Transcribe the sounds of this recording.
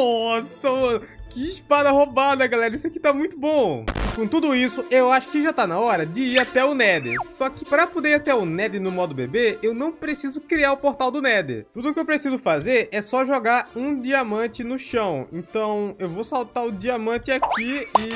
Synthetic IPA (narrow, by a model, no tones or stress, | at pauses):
ɔsɐm | kɪiʃpad̪ɐhobad̪ɐɡalɛɾɐisʊaki̥t̪amũj̃t̪ʊbõɪkõt̪ud̪ʊisʊʔewaʃʊ̥kɪʒat̪anɐɔɾɐd͡ʒɪiɾat̪ɛʊnɛd̪ɪ̰sɔkɪpɾɐpod̪eɾat̪ɛʊnɛd̪ɪnʊmɔd̪ʊbebeewnɐ̃w̃pɾesizʊkɾiaɾʊpoɾt̪awd̪ʊnɛd̪ɪ̰t̪ud̪ʊkɪewpɾesizʊfazeɾɛsɔʒoɡaɾũd͡ʒiamɐ̃t͡ʃɪnʊʃɐ̃w̃ḛ̃nt̪ɐ̃w̃ewvosawt̪aɾʊd͡ʒiamɐ̃t͡ʃɪakiɪ